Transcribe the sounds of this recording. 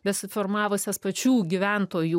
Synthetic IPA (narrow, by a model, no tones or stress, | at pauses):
bʲɛsʲɪfoɾmɑːʋosʲɛspɐt͡ʃʲuːɡʲɪʋʲænt̪oːjuː